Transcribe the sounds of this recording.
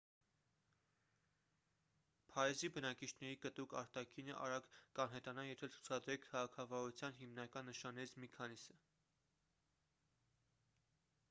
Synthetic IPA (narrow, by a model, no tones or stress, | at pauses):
pʰɑɾɛzibənɑkit͡ʃʰnɛɾikət̪ukɑ̰ɾt̪ɑkʰinə̰ʔɑ̰ɾɑɡkɑnɦɛt̪ɑnɑjɛt̪ʰɛlt͡sʰu̥t͡sʰɑd̪ɾɛkʰːɑʁɑkʰɑvɔɾut͡sʰjɑnɦimnɑkɑnːəʃɑnːɛit͡sʰmikʰɑnisə